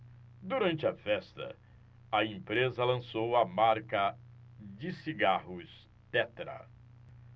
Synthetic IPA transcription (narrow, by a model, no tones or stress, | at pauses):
d̪uɾɐ̃nt͡ʃɪɐfɛst̪ɐ̰ | ɐẽmpɾezɐlɐ̃sowɐmaɾkɐ | d͡ʒɪsiɡaɦʊs | t̪ɛt̪ɾɐ̰